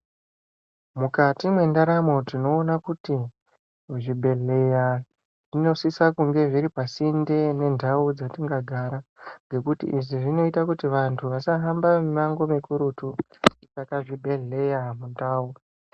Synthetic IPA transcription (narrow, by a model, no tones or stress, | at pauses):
mukatimwe̞ndaɾamo̞tino̞ːnakuti | ʐibʱe̞ɮe̞ja | ʐ̥ino̞sisakuŋɡe̞ʐiɾipasinde̞ne̞ndʱaud͡zatiŋɡaɡʱaɾaŋɡe̞kutḭʔiʐiʐino̞itakutiʋantʰuʋasaɦambamimaŋɡo̞mekuɾutu | it͡sakaʐibʱe̞ɮe̞jamuntaːwu